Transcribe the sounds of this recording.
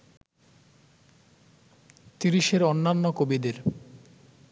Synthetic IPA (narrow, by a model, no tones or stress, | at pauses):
t̪iɾiʃeɾonːanːokobid̪eɾ